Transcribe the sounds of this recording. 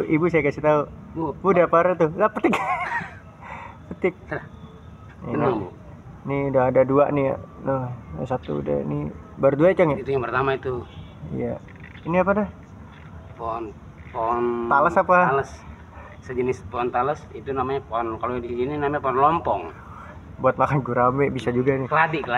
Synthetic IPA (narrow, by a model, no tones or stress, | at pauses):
ʔibusajakasit̪auubudapaɾt̪uɡapət̪ɪk | pət̪ɪk̚ | inaŋbu | niudaɦːdadua̰ʔnija̰nəsat̪ṵṵda̰ḭni | baɾduat͡ʃaŋjait̪ujaŋpərt̪amait̪u | ḭja | iniapadah | pɔn | pɔnt̪aləsapaləs | səd͡ʒənɪspɔɔnt̪aləsit̪unamaɲapɔnkalodisininamaɲapɔnlɔmpɔŋ | buat̪̚makanɡuɾamɛbisad͡ʒuɡanikəladikəla